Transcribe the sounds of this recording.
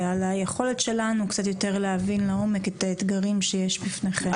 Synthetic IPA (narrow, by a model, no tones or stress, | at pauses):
alajeχo̞le̞tʃe̞lanukt͡sat̪̬jo̞te̞ʁleavinlao̞meketaet̪ɡaʁimʃejeʃbifneχe